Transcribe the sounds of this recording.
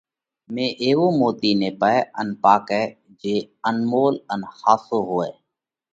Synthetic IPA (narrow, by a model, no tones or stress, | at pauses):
mẽːʔeːʋoːmoːt̪iːneːpəeənpaːkɛː | d͡ʒeː | ənmoːlənhaːsoːɦoːḛː